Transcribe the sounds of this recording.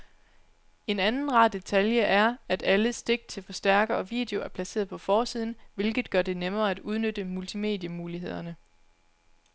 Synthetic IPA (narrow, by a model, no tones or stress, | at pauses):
e̝nænn̩ʁɑd̥e̝t͡sʰæljəʔæɐæd̥æləsd̥e̝ɡ̥d̥̚t͡sʰe̝lfɒ̽sd̥æɐɡ̥ɐɒ̽ʋḭːd̥e̝o̝æɐpʰlæse̝̰ːɐðˠpʰɒ̽fɒːsið̰ˠn̩ʋe̝lɡ̥ð̩ˠɡ̥ɶɐd̥e̝nemɐːæd̥uð̞ˠnød̥əmult͡sʰime̝̰ːd̥jəmuːliɦe̝ð̞̰ˠɐnə